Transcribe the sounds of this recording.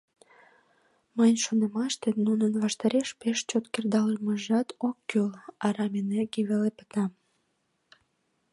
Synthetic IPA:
mənʲʃonemɑʃt̪enunənβɑʃt̪ɑɾeʃpeʃt͡ɕot̪kerd̪ɑləməʒɑt̪okːylɑɾɑmeneɡiβelepə̥t̪ɑm

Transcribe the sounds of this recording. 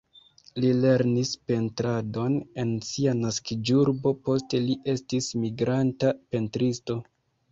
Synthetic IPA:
lile̞ɾnispe̞ntɾado̞ne̞nsianaskid͡ʒuɾbo̞po̞ste̞liʔe̞stismiɡɾantape̞ntɾisto̞

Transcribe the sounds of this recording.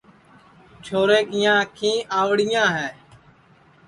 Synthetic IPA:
t͡ʃʰoːɾeːkɪjãːkʰĩːʔaːʋɽɪjãːɦɛː

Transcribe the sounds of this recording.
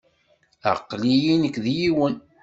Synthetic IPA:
ə̰qːlijinəkːðjiwən

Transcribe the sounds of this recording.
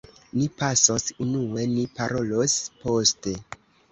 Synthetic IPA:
nipasosunue̞nipaɾo̞lo̞spo̞ste̞

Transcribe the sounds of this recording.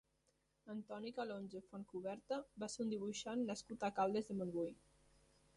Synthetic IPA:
ənt̪ɔnikalonʲzefonkuβɛɾt̪əbaseund̪iβ̞uʃanːəskut̪akalˠd̪ezðəmonbuj

